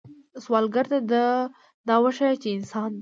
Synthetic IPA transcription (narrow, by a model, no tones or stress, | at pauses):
swɑlɡaɾt̪ad̪a | d̪ɑwəʃat͡ʃeɪnsɑn